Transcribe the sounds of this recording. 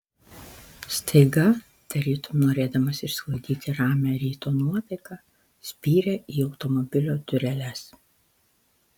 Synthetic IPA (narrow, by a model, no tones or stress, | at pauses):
st̪ʰɐɪɡɐ | t̪ɐɾʲɪt̪ʊmnoːɾʲeːd̪ɐmɐsɪʃsklˠɐʊd̪ʲiːt̪ʲɪɾɑːmʲæɾʲiːt̪oːnuɔt̪ɐɪkɑ | sʲpʲiːɾʲeʔiːɒʊt̪ɔmɔbʲɪlʲoːd̪ʲʊɾʲɛlʲɛs